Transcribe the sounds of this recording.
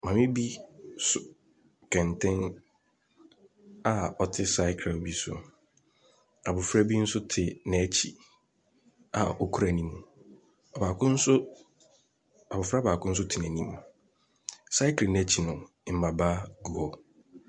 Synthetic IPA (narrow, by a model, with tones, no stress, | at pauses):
mã˨mɪ̃˦bi˦sʊ˨ | kʰɛ̃˨ntʰɛ̃˦n | a˨ɔ˨tʰɪ˦sa˦ɪ˦kʰɾo˨bi˦sʊ̰˨ | a˨bʊ˨fɾa˦bi˦n̩˦sʊ˦tʰɪ˨nɛ̃˨˦t͡ɕʰi˨ | a˨ɔ˨kʰu˦ɾæ˨nĩ˦mũ˨ | ɔ˨baː˨kʊ̃˦n̩˦sʊ˦ | a˨bʊ˨fɾa˦ba˨kʊ̃˦n̩˦s̬ʊ˦tʰɪ˨nɛ̃˨nĩ˦m˨ | sa˦ɪ˦klɪ˨n˨ɛ˨t͡ɕʰi˨nʊ̃˨ | m̩˨ba˨baː˦ɡu˨ɔ˦